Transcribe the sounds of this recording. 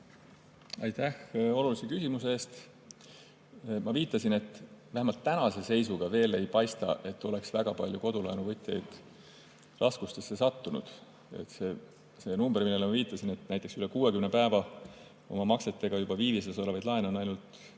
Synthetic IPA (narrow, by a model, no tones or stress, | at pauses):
ɑ̰jt̪æho̞lulisekysʲimus̬eeːst̪ | mɑviːt̪ːˑɑsine̞t̪ːˑvæhemɑlt̪ːænɑse̞se̞jsuɡ̥ɑve̞ːle̞jpɑjst̪ɑ̰ʔe̞t̪ːo̞le̞ksvæɡ̥ɑpɑlʲjuko̞d̪ulɑenuvɤt̪ʲːˑjejd̪̥ | rʔɑskust̪e̞sːe̞sɑt̪ːunṵd̪̥ | ḛt̪se | se̞numb̥erminːelemɑviːt̪ːˑɑsine̞t̪næjt̪ːˑeksyle̞kuːwe̞kymne̞pæevɑ | o̞̰mɑmɑkse̞t̪ːe̞ɡ̥ɑjub̥ɑviːviselsolevɑjd̪̥lɑeneo̞nɑjnult̪